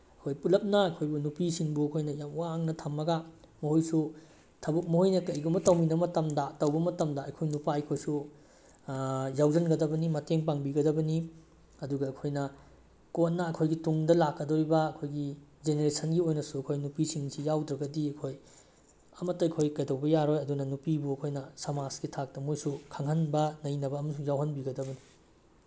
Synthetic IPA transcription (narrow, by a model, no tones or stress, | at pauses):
ɐkʰojpulɐp̚nɐɐkʰojbunupisiŋbuɐkʰojnɐjamwaŋnɐtʰɐmːɐɡɐ | mɐhojsu | tʰɐbuk̚mɐhojnɐkɐjɡumɐtɐwminɐmɐtɐmdɐtɐwbɐmɐtɐmdɐɐjkʰojnupaɐjkʰojsu | jawzɐnɡɐdɐbɐnimɐteŋpaŋbiɡɐdɐbɐni | ɐduɡɐːkʰojnɐ | kot̚nɐɐkʰojɡituŋdɐlakːɐdoɾibɐːkʰojɡid͡ʒeneɾesʰɐnɡiojnɐsuɐkʰojnupisiŋsijawdɾɐɡɐdiɐjkʰoj | ɐmɐtːɐɐkʰojkɐjdɐwbɐjaɾojɐdunɐnupibuɐkʰojnɐsɐmasɡitʰak̚tɐmojsukʰaŋɦɐnbɐnɐjnɐbɐːmɐsuŋjawɦɐnbiɡɐdɐbɐni